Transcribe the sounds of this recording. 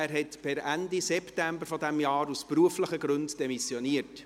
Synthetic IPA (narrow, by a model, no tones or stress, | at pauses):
æːɾɦɛtpɪɾændisɛptæmbəɾfɔdæmjɑːɾuspɾuəfləχəɡɾɵndd̥ɛmisjɔniərt